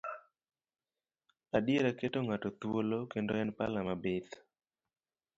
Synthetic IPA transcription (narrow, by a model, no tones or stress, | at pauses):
adeɾaketoŋatot̪wolokendoɛnpalamabɪt̪